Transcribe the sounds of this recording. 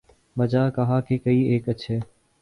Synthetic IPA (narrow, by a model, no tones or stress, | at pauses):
məd͡ʒaːkəɦaːkeːkəiːeːkət͡ʃʰɦeː